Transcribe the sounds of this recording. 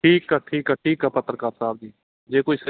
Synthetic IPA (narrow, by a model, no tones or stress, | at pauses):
ʈʰiːkːaːʈʰiːkaːʈʰiːkaːpət̪ɾəkaːɾsaːb̚d͡ʒiː | d͡ʒeːkoːiːs